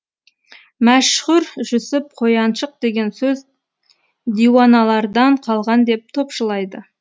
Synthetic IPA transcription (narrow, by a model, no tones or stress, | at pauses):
mæʃχʊɾʒʏsɪp̚qʰo̞jɑnʃəq̚d̪e̞ɡʲe̞nsɵz | d̪ijwɑnɑlˠɑɾd̪ɑɴqʰɑlˠʁɑnd̪e̞p̚t̪ʰo̞pʃəlˠɑjd̪ə